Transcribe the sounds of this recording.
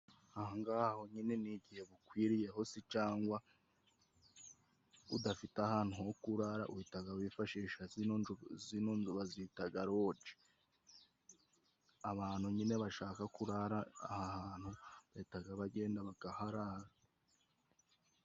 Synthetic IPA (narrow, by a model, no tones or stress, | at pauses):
ahaŋɡaːho̞ɲine̞niɟihe̞βukwiːɾije̞ho̞sit͡ʃaːŋɡwa | udafitahaːn̥huhokuɾaɾa̰uhitaɡawifaʃiːʃazzinoːnzuβazitaɡaɾo̞ːt͡ʃe̥ | aβaːnhuɲine̞βaʃaːkakuɾaɾaːhahaːn̥huβaitaɡaβaɟe̞ːndaβaɡ̥ahaɾaɾa